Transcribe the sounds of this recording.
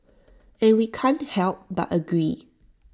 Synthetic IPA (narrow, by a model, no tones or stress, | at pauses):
ɛ̃nwikʰɛ̃nhɛlp̚ba̰təɡɹi